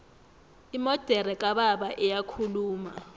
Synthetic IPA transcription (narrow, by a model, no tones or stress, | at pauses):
imɔd̥ʱɛɾɛkʼaɓaɓaʔɛjakʰuluːma̰